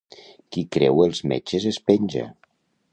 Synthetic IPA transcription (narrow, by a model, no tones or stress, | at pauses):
kikɾɛwelˠzmḛt͡ʃezespenʲʒa̰